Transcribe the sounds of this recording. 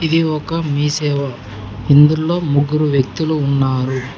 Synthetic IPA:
id̪iɔkɐmiːsɛːʋɐ | ind̪ulo̞ːmuɡːuɾuʋjekt̪uluːnːaːɾu

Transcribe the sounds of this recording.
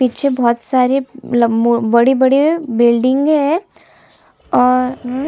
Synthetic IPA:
piːt͡ʃʰebɔːt̪saːɾelɐmbɐɽibɐɽibɪlɖɪ̃ŋɡɦɛ̃ | ɔːɾ

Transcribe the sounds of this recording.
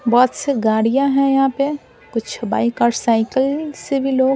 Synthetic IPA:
bɔːt̪seɡaːɽijãɦɛ̃jɐɦãpe | kʊt͡ʃʰbaːikaːɾsaːɪkəlsebʱiloːɡ

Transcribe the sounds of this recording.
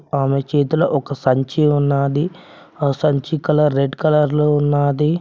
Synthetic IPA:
aːmet͡ʃeːt̪ulɐʔɔkɐsɐɲt͡ʃiunːaːd̪i | sɐɲt͡ʃikɐlɐɾːeɖkɐlɐɾloːunːaːd̪i

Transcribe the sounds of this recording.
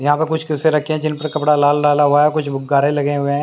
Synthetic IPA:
jɐɦãpəɾkʊt͡ʃʰkɪseɾɐkʰːeɦɛ̃d͡ʒɪnpəɾkɐpɽalaːllaːlaɦʊakʊt͡ʃʰbʱʊɡːaːɾelɐɡeɦʊẽɦɛ̃ː

